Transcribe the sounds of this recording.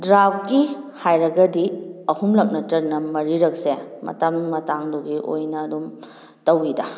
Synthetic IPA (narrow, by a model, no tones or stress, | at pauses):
dɾapkihajɾɐɡɐdiɐhumlɐk̚nɐtɐɾnɐmɐɾiɾɐk̚semɐ̰tɐmnmɐtaŋduɡiʔo̰jnɐːdum | tɐwidɐ